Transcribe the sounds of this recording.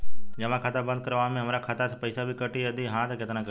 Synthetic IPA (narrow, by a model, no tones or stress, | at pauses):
d͡ʒɐʋãkʰaːt̪abə̃nd̪̚kəɾʋaːmẽɦəmɾakʰaːt̪asepəɪsabʱikəʈiəd̪iɦãːt̪akɪt̪nãk